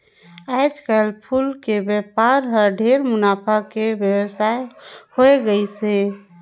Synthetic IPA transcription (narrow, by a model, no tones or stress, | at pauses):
ad͡ʒkəlpʰulkebjɛpaɾɦəɾɖʱeɾmʊnapʰakebjəwəsajhoeɡəisẽ